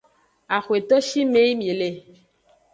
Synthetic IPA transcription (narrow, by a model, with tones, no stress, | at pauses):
a˨xwe˨t̪ɔ˦ʃi˦me˦jmi˨e˨le˨